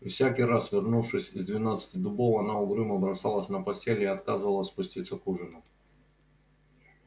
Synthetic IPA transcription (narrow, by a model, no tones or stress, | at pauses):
fsʲakʲiɾasvʲɪrnufʂɨsʲɪzd̪vʲɪnat̪sɨ̥tʲɪd̪ʊbowɐnaʊɡɾɨməbɾɐsalˠəsʲnɐpɐsʲtʲelʲɪɐt̪kazɨvəlˠəsʲspʊsʲtʲit̪səkuʐɨnʊ